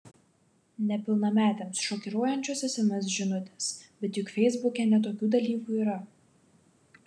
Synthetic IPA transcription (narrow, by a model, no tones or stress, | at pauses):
nʲɛpʲɪlˠnɐmʲæːt̪ʲeːmsʃɔːkʲɪɾoɔjɛnʲt͡ʃʲoːsʲɛsʲɛmʲɛs̬ʒʲɪnʊt̪ʲɛsbʲɛt̪jʊkfʲɛɪzbʊkʲɛnʲɛt̪̬oːkʲuːd̪ɐlʲiːkuːiːɾɐ